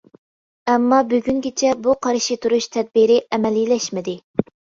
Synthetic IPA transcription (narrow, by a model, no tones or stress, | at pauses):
ɛmːɑbyɡʲyŋɡʲɪt͡ʃʰɛbuqʰɑɾʃit̪ʰuɾuʃt̪ʰɛd̪̚biɾɪʔɛmɛlilɛʃmɪd̪ɪ